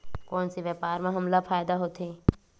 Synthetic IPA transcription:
kɔːnsiʋjɛːpaːɾmãɦɐmlafʰaːjd̪aɦoːt̪ʰeː

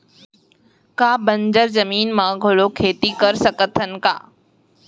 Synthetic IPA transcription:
kaːbə̃ɲd͡ʑəɾzɐmiːnmãːɡʱʊɭokʰeːt̪ikɐɾsəkət̪ʰənɪ̆ka̰ː

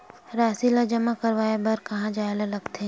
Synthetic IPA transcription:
ɾaːsilad͡ʒɐmakɐɾʋaːebɐɾkɐɦãd͡ʒaːelalɐɡt̪eɦ

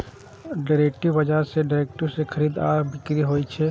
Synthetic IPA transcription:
ɖaːɾeːk̚ʈiʋɐd͡ʒaɦseɖaːɾek̚ʈəɾsekʰɐɾiːd̪aːɾbɪkɾiɦoːit͡ʃʰeː

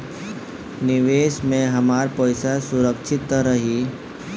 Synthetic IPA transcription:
nɪʋeːʃmẽɦɐmaːɾpəɪsasʊɾəkʃʰɪt̪ɾəɦi

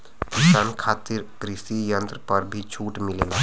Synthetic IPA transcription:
kɪʃaːnkʰaːt̪ɪɾkɾɪsijə̃nt̪ɾəpɐɾbʱit͡ʃʰuːʈmɪleːna

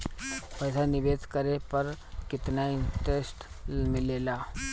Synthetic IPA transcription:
pɐːsanɪʋeːd̪ʱkəɾepɐɾ | kɪt̪naɪ̃nʈɾeːsʈ | mɪlelaː

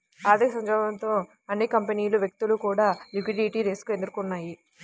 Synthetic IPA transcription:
aːd̪ɐksɐɲd͡ʒɐːɡɐnt̪o̞ː | ɐnːikɐmpeniːluʋjek̚t̪ulukuːɽaːlikʋiɖiʈiːɾeːsu̥kuend̪uɾukunːaːji

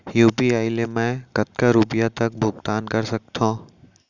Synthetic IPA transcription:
juːpiaːɪlemɛ̃kɐt̪̚kaɾuːpijat̪ɐk̚bʱʊɡt̪aːnkɐɾsɐk̚t̪ʰãː

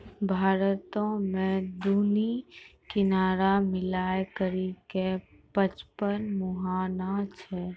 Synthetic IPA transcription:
bʱaːɾət̪õmẽd̪unikɪnaːɾamɪlaːjkəɾike | pət͡ʃpənmʊɦaːnat͡ʃʰɛ

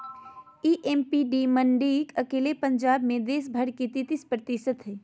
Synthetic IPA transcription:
iːʔempiɖiməɳɖiːkɐkeːlepə̃ɲd͡ʒaːbmẽd̪eːs̬bʱəɽkit̪it̪ispɾət̪ɪsət̪ɦɛː

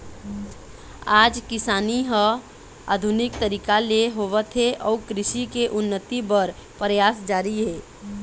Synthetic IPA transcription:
aːd͡ʒkɪsaːniɦə | a̰ːd̪ʱʊnɪk̚t̪əɾiːkaleɦoːʋət̪ɦeʔɔːkɾɪʃikeʔʊnːət̪ibəɾ | pɾjaːsd͡ʒaːɾiɦɛː

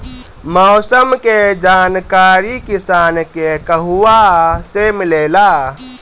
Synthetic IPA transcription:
mɔːsəmked͡ʒaːnkaːɾikɪsaːnkekəɦuwasemɪleːlaː

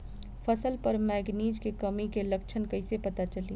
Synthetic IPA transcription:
pʰɐsəlpəɾmɛːɡniːd͡ʒkekɐmikelɐk̚t͡ʃʰənkɐɪsepɐt̪at͡ʃəlḭː

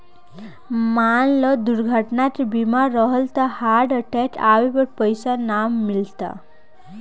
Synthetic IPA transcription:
manlɔd̪uɾɡʱəʈnat̪bimaɾːəɦəlt̪ahaɾɽəʈɛʈʰawibəɾpəjsanamːilt̪a̰

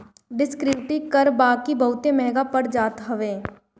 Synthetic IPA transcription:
ɖɪskɾɪʋʈikəɾbaːkibɐɦʊt̪emɛːɡapəɽd͡ʒaːt̪ɦəʋeː

